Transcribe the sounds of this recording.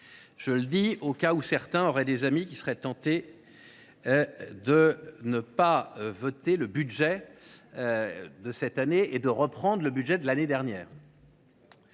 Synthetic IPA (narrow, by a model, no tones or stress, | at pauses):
ʒ̥ələd̪iokausɛʁt̪ɛ̃ɔʁɛd̪ezamikʲisəʁɛt̪ɑ̃t̪e | d̪ənəpavɔt̪eləbyd̪ʒɛ | d̪əsɛt̪aneed̪əʁəpχɑ̃d̪ʁləbyd̪ʒɛd̪əlaned̪ɛʁnjɛːʁ